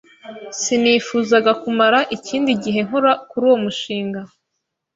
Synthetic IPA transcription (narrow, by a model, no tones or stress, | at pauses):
siniːfuːzaɡakumaɾaʔiciːndiɟiɦe̞ŋ̥ɦoɾakuɾuːwo̞muʃiːŋɡa